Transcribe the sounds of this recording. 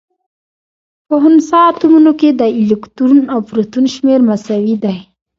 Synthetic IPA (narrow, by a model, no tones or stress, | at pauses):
pəɦʊnsɑt̪umunoked̪əɪlɪkt̪uɾunawpɾut̪unʃmeɾmasawid̪aj